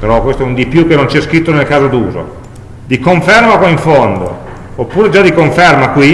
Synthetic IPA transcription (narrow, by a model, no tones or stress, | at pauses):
peɾɔkwest̪oɛund̪ipjukːenont͡ʃiɛskɾit̪ːonelkaːzad̪uːzo̰ | d̪ikoɱfermakwaiɱfond̪o̰ | opːuːɾed͡ʒad̪ikoɱfermakwi